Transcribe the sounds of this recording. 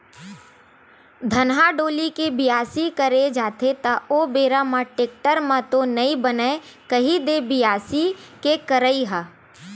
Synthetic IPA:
d̪ʱɐnɦaɖoːlikebɪjaːsikəɾed͡ʒaːt̪ʰet̪aobeːɾamãʈeːk̚ʈəɾmãt̪onɐĩbənekəɦid̪ebɪjaːsikekəɾəiɦaː

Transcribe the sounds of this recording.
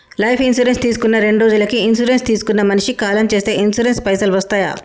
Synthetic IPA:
lɐjpʰinsuɾenst̪iːsu̥kunːɐɾe̞ɳɖɾoːd͡ʒulɐkiːnsuɾe̞nst̪iːsu̥kunːɐmɐniʂikaːlɐmt͡ʃe̞ːst̪e̞ːinsuɾenspɐjsɐlʋɐst̪aːja̰ː

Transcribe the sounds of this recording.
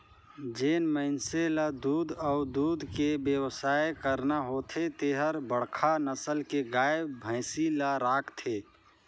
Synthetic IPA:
d͡ʒeːnməɪnselad̪uːd̪əʊd̪uːd̪kebjəwsaːekəɾnaɦot̪ʰet̪eɦəɾbəɽ̤kʰanəsəlkeɡaːebbʱə̃ɪsilaɾaːkʰt̪ʰe

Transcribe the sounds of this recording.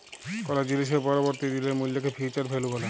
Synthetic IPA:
kɔɾad͡ʑiliʃ̬epɔɾoboɾt̪id̪ileɾmuljakʰefʰit͡ɕaɾpʰeluɡɔle

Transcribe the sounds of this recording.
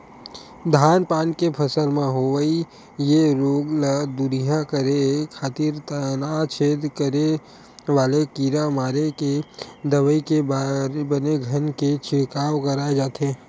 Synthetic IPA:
d̪ʱaːnpaːnkepʰɐsəlmẽɦoʋəi | jeɾoːɡlad̪ʊɾijakəɾekʰaːt̪iɾt̪ənat͡ʃʰeːd̪kəɾe | ʋaːlekiːɾamaːɾeked̪ɐʋəikebbəneɡʱənket͡ʃɪkaːʋkəɾaːed͡ʒaːt̪eː

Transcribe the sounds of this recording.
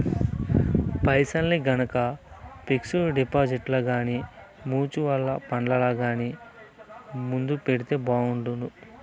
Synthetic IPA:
pɐjsɐlniɡɐnɐkɐpeksuɖipaːd͡ʒiʈlɐɡaːni | muːt͡ʃuʋɐlːɐ̰pɐɳɖɐlaːɡaːni | mund̪upeɽit̪e̞ːbaːuɳʈund̪u

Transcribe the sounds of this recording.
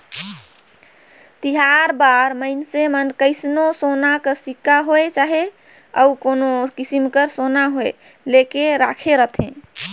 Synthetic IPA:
t̪iɦaɾbaɾməɪnsemənkəɪsnosonakəsikːaɦoet͡ʃaɦe | əukonokisimkəɾsonaɦoe | lekeɾakʰeɾət̪ʰḛ̃

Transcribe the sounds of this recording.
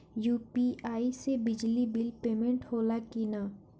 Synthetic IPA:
juːpiaːisebɪd͡ʒlibɪlpeːmẽɳʈhoːlakina

